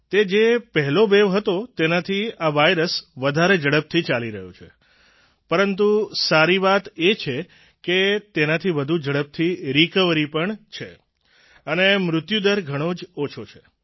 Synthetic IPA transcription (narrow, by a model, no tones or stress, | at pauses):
t̪ed͡ʒepəɦɛlobeʋɦət̪ot̪enat̪ʰiaʋajɾəsʋəd̪ʱaɾed͡ʒəɽəp̚t̪ʰit͡ʃaliɾə̰ɦjo̰t͡ʃʰḛ | pəɾənt̪usaɾiʋat̪et͡ʃʰe | ket̪enat̪ʰiʋəd̪ʱud͡ʒəɽəp̚t̪ʰiɾikəʋɾipəɳt͡ʃʰe | ənemɾʊt̪jud̪əɾɡʱəɽ̃od͡ʒot͡ʃʰot͡ʃʰe